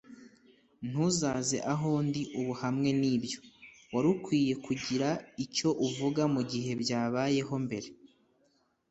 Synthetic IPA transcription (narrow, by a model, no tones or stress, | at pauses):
n̥uzaze̞̰ʔaɦoːndiʔuβuhamŋe̞niːbjo̞ | waɾukwiːje̞kuɟiɾaico̞ʔuvuɡamuɟiɦe̞bjaːβaje̞ɦo̞mbe̞ɾe̞